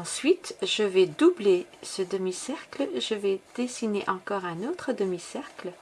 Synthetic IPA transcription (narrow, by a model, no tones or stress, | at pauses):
ɑ̃sɥit̪ʒəvɛd̪ublesəd̪əmisɛʁklʒəvɛd̪̥esineʔɑ̃kɔʁɛ̃not̪χəd̪əmisɛʁkl